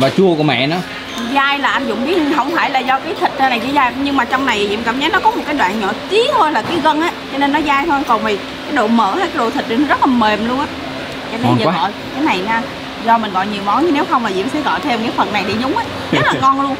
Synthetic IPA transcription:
vaː˨˩t͡ɕu˧əku˧˩əmɛ̰˧˨nɔ˨˦ | zaː˧jlaː˨˩ʔa˧nzʊ̰˧˨wŋ͡mɓi˦˥t̚ɦə˧wŋ͡mfaː˧˩jlaː˨˩zɔ˧kaː˨˦jt̪ʰï˨˩k̟̚t̪a˧na˨˩jt͡ɕaː˨˦zaː˧jɲɨ˧ŋmaː˨˩t͡ɕɔ˧wŋ͡mna˨˩jzḭ˧˨˥mka̰ː˧˩mɲə˨˦jnɔ˨˦kɔ˨˦mo˨˩t̚kaː˨˦jɗwa̰ː˧˨nɲɔ̰˧˨t͡ɕi˨˦ət̪ʰo˧jlaː˨˩kaː˨˦jɣə˧nʔaː˨˦t͡ɕɔ˧ne˧nːɔ˨˦zaː˧jt̪ʰo˧kɔ˨˩nvi˨˩ | kaː˨˦jɗo̰˧˨mə̰ː˧˩haː˨˦jkaː˨˦jɗo̰˧˨˩t̪ʰi˨˩t̚ɗi˨˩nɔ˦zə˦˥t̚laː˨˩me˨˩mlu˧ənʔaː˨˦ | t͡ɕɔ˧ne˧nzəː˨˦˩ɔ̰˧˨j | kaː˨˦jna˨˩jnaː˧˩ | zɔ˧mï˨˩n̟ɣɔ̰˧˨jɲi˨˩əwmɔ˨˦nt͡ɕɨ˧ne˨˦wxə˧wŋ͡mma˨˩zḭ˧˨əmsɛ̰˧˥ɣɔ̰˧˨jt̪ʰe˧mkaː˨˦jfə˨˩nnːa˨˩jɗ̪i˧˦zʊ˨˦ŋ͡mʔə˨˦ | ɲa˦˥laː˨˩˨ŋɔ˧nlu˧ən

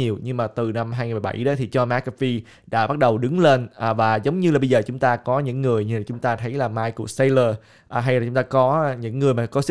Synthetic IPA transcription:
ɲi˨˩əwɲɨ˧ŋmaː˨˩t̪ɨ˨˩na˧mɦaː˧jŋi˨˩m˨˩ɓa̰˧˩jɗɔ˨˦t̪ʰi˨˩t͡ɕɔ˧ma˨˦˥kːfi˧ | ɗa̰ː˧˥ɓa˦˥t̚ɗə˨˩wɗɨ˨˦ŋle˧nʔa˨˩vaː˨˩zə˨˦wŋ͡mɲɨ˧la˨˩ɓə˧jzəː˨˩t͡ɕʊ˨˦ŋ͡mt̪aː˧kɔ˨˦ɲɨ̰˧˥ŋːɨ˨˩əjɲ˧aː˨˩t͡ɕʊ˨˦ŋ͡mt̪aː˧t̪ʰə˨˦jlaː˨˩maː˧jku˨˩ək̚sa˧jləː˧˩ | ʔɦa˧jlaː˨˩t͡ɕʊ˨˦ŋ͡mt̪aː˧kɔ˨˦ɲɨ̰˧˥ŋːɨ˨˩əjmaː˨˩kɔ˨˦s

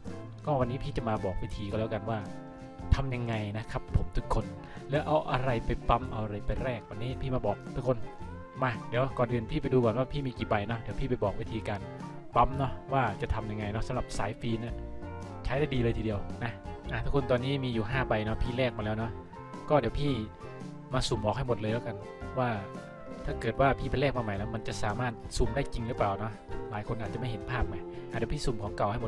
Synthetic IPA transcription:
kɔː˥˩wa˧nːiː˦˥pʰiː˥˩t͡ɕa˨˩maː˧bɔː˨˩k̚we˦˧˥t̪ʰiː˧kɔː˥˩ɛː˦˥˩wka˧nwaː˥˩ | t̪ʰa˧mja˧ŋːa˧jna˦˥kʰa˦˥pʰːo˨˩˦mt̪ʰu˦˥kʰːo˧n | lɛː˦˥wʔa˧wʔa˧ɾa˧jpa˧jpa˦˥mʔa˧wʔa˧ɾa˧jpa˧jɾɛː˥˩k̚wa˧nːiː˦˥pʰiː˥˩maː˧bɔː˨˩k̚t̪ʰu˦˥kʰo˧n | maː˧di˨˦wkɔː˨˩nʔɯː˨˧˩npʰiː˥˩pa˧jduː˧kɔː˨˩nwaː˥˩pʰiː˥˩miː˧kiː˨˩ba˧jnɔ˦˥di˩˦pʰiː˥˩pa˧jbɔː˨˩k̚we˦˧˩t̪ʰiː˧kaː˧n | pa˦˥mnɔ˦˥waː˥˩t͡ɕa˨˩t̪ʰa˧mja˧ŋːa˧jnɔ˦˥sa˦mɾa˨˩p̚saː˩˦jfiː˧ni˥˩ | t͡ɕʰa˦˥da˥˩jdiː˧lɤː˧jt̪ʰi˧di˧əwna˦˥ʔa˧˩t̪ʰaː˦˧˩kʰu˧nt̪ɔː˧nːiː˦˥miː˧juː˨˩ɦaː˥˩ba˧jnɔ˦˥pʰiː˥˩lɛː˥˩k̚maː˧lɛː˦˥wnɔ˦˥ | kɔː˥˩di˨˦əwpʰiː˥˩ | maː˧su˨˩˦mbɔː˨˩k̚ha˥˩jmo˨˩t̪̚lɤː˧jlɛː˦˥ka˧n | waː˥˩ | t̪ʰaː˥˩kɤː˨˩t̪̚waː˥˩pʰiː˥˩pa˧jlɛː˥˩k̚maː˧ma˨˩˦jlɛː˦˥wma˧nt͡ɕa˨˩saː˨˦maː˥˩t̪̚su˨˩˦mdaː˥˩jt͡ɕi˧ŋɾɯ˦˥plaː˨˩wnɔ˦˥ʔ | laː˨˦jkʰo˧nʔaː˥˩t̪̚a˨ma˥˩jɦe˨˦npʰaː˥˩p̚ma˧jaː˧˩di˨˧˦wpʰiː˥˩suː˨˩mkʰɔː˨˦ŋka˨˩wha˥˩jmo˨˩

